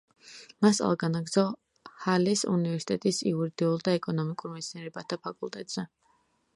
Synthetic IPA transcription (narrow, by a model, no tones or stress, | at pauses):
masa̰lˠɡanaɡd̪zɔ | halisṵnivɛɾsi̥t̪ʼɛt̪ʼisiuɾid̪iulˠd̪aɛkʼɔnɔmikʼuɾmɛt̪sʰniɛɾɛbat̪ʰapʰakʼulˠt̪ʼɛt̪ʼz̥ɛ